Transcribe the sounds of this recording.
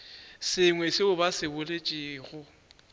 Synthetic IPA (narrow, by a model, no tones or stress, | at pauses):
sɪŋwɛsɪʊbasɪbʊlet͡ʃʼiːɣʊ